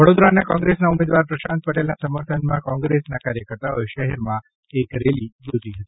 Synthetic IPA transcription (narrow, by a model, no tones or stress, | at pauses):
ʋəɽod̪ɾanakɔ̃ŋɡɾesnaumed̪ʋaɾpɾəʃãnt̪̚pəʈelnasəməɾt̪ʰənmãkɔ̃ŋɡɾesnakaɾjəkəɾt̪aojʃəɦɛɾmã | ekɾelibut̪iɦət̪i̥